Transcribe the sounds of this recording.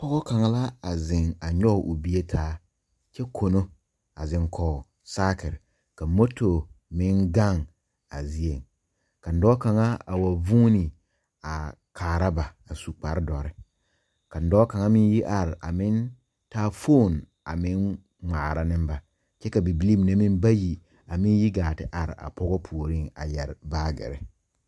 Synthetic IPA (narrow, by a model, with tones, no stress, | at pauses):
pɔ˦ɡɔ˦ka˨ŋa˦la˦a˨zɪ̃˨ŋa˨ɲɔ˦˨ʔu˨bi˦e˦tʰaː˦ | t͡ʃɛ˦kʰo˨no˦ | a˨zɪ̃˨ŋkʰɔ˨ | saː˦kɪ˨ɾɪ˨ | ka˨mo˦tʰo˨mɪ̃˦ŋɡa˦˨ŋ | a˨zi˦e˨ŋ | ka˨n̩˨dɔː˦ka˨ŋa˦a˨wa˨vũː˦nɪ˨ | a˨ | kʰaː˨ɾa˦ba˨a˨su˨k͡pa˨ɾdɔ˨ɾɪ˦ | ka˨n̩˨dɔː˦ka˨ŋa˦mɪ˦n˦ji˦ʔa˨ɾɪ˨ʔa̰˨mɪ˦n | taː˦fo˦˨n | a̰˨mɪ˦ŋ | ŋ͡maː˨ɾa˨nɪ̃˦m˦ba˨ | t͡ʃɛ˦ka˨bi˨bi˨˦li˦m˨ne˦mɪ̃˦nba˦ji˨ | a˨mɪ̃˦n˦ji˦ɡaː˨tɪ˨ʔa˨ɾɪ̰˨ʔa̰˨pɔ˦ɡɔ˦pʰu˨o˨ɾi˦˨ŋa̰˨jɛ˨ɾbaː˦ɡɪ̰˨ɾɪ̰˦